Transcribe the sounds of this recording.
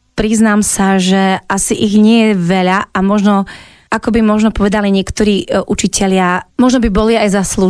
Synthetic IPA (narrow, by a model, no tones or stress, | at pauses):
pɾiznaːmsaʒɛʔasiʔiɣɲɪɛjɛʋɛʎaamɔʒnɔ | ʔakɔbimɔʒnɔpɔʋɛd̪aliɲɪɛkt̪ɔɾiːʔut͡ʃicʰɛʎɪamɔʒnɔbibɔliajzaslu